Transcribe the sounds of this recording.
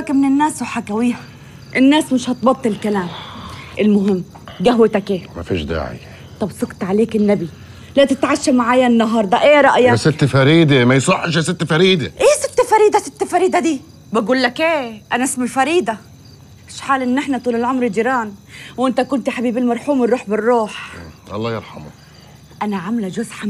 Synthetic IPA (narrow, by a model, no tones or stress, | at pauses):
akamɪnɪnːaːsʊħakawɪjha | ʔɪnːaːsmɪʃhɑt̪bɑt̪ˤːɨlɪlkalaːmʔɪlmʊɦɪmː | ɡaɦwɪt̪akʔeːma̰fḭːʃd̪a̰ːʕḭ | t̪ˤɑbsˤɑqt̪ʕaleːkɪnːabi | lat̪ɪt̪ʕaʃːamaʕaːjanːɑɦɑːɾˤd̪ˤɑʔeːɾˤɑʔjasɪt̪ːfaɾiːd̪emajsˤʊħːʃasɪt̪ːfaɾiːd̪ɪʔeːsɪt̪ːfaɾiːd̪asɪt̪ːfaɾiːd̪ad̪iː | baɡuːlːakʔeːʔanaʔɪsmalfɑɾiːd̪a | ɪʃħaːlʔɪnːʔɪħnat̪ˤuːlɪlʕomɾd͡ʒiːɾɑːnwʔɪnt̪akʊnt̪iħabiːbɪlmɑɾˤħuːmɪrˤːuːħbɪrːuːħʔɑ̰lˤːɑːjɑɾˤħɑ̰mʊ̰ | ʔanaʕamlad͡ʒʊzħa